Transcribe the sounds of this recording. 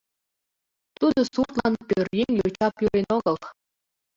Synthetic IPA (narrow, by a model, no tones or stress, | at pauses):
t̪ud̪ɤ̆surt̪lˠɑnpʲørʲjiŋjot͡ɕɑpjuɾʲenoɡɤ̆lˠ